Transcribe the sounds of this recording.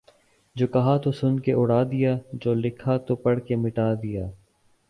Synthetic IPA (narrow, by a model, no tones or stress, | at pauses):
d͡ʒoːkɐɦat̪osʊnkeʔʊɽaːd̪ɪjaːd͡ʒoːlɪkʰat̪opɐɽkemɪʈaːd̪ɪjaː